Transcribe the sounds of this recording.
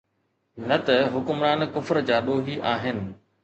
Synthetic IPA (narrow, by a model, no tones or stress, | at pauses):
nɐt̪ɐɦʊkʊmɾaːnkʊfɾd͡ʑaːɗoːɦiʔaːɦɪnɪ̆